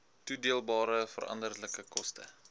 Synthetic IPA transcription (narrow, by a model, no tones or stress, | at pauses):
tudiəlˠbɑːɾəfə̰rʔɐ̰ndərdləkəkɔstʰə̰